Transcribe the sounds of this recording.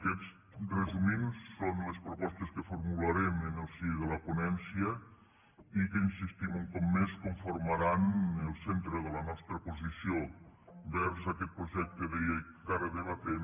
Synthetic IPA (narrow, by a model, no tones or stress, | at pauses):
kɛt͡s | rəzuminsːonləspɾupɔst̪əskəfuɾmulaɾɛmənəlˠsiðələpunɛnsiə | ikəinsist̪imuŋkɔmːeskuɱfuɾmaɾanəlˠsent̪ɾəðələnɔst̪ɾəpuzisiobɛɾzakɛt̪̚pɾuʒɛk̚t̪ːəðeej | kaɾəðəβ̞at̪en